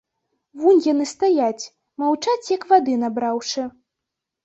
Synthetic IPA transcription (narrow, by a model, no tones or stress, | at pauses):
vunʲjanɨst̪ajat͡sʲ | mawt͡ʂat͡sʲjɐkvad̪ɨnabɾawʂɨ